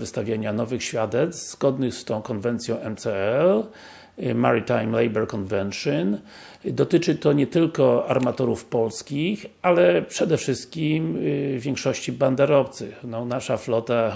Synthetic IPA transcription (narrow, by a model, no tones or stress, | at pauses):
vɨst̪avʲjaɲanɔvɘxɕfʲjad̪ɛt̪st̪z̥ɡɔd̪nɘxst̪ɔ̃w̃kɔnvɛnt̪sʲjɔ̃w̃ɛmt̪sɛɛl | maɾit̪ajmlɛjbɛɾkɔnvɛnʂɨn | d̪ɔt̪ɘt͡ʂɘt̪ɔɲɛt̪ɘlkɔaɾmat̪ɔɾufpɔlskʲixalɛpʂɛd̪ɛfʂɘst̪̚kʲimvʲjɛŋkʂɔɕt͡ɕiband̪aɾɔft̪sɘ̰xnɔnaʂaflɔt̪a